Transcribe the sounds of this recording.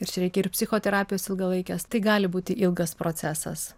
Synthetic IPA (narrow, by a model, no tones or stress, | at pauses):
ɪɾt͡ʃʲɛɾʲɛɪkʲɛɪrpʲsʲɪxoːt̪ʲɛɾɑːpʲɪjoːsɪlˠɡɐlˠɐɪkʲɛst̪ɐɪɡɑːlʲɪbuːt̪ʲɪʔɪlˠɡɐspɾoːt̪sʲæːsɐ̰s